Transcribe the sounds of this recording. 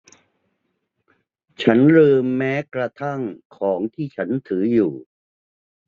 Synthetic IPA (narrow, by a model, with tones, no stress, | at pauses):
t͡ɕʰa˦˥nɾɯː˧mːɛː˦˥kɾa˧t̪ʰa˥˩ŋkʰɔː˩˦ŋt̪ʰiː˥˩t͡ɕʰa˦˥nt̪ʰɯː˩˦juː˨˩